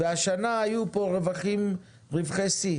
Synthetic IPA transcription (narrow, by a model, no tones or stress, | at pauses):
veaʃanaajupo̞ʁevaχim | ʁivχesi